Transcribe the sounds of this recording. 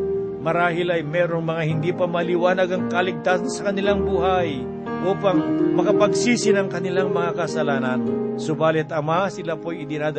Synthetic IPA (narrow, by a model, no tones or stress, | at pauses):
mɐɾaːɦɪlɐjmɛːɾoŋmɐŋahɪnd̪ipɐmɐlɪwaːnɐɡɐŋkɐlɪɡ̚t̪asnsɐkɐnɪlaŋbuːɦaj | ʔuːpɐŋmɐkɐpɐɡ̚siːsɪnɐŋkɐnɪlaŋmɐŋakɐsɐlaːnɐnsʊbaːlɪt̪ɐmasɪlapojɪd̪ɪɾaːd̪